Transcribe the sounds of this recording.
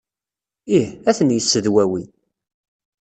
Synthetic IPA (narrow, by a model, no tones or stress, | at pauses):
ihæθənjəsːəðwæwi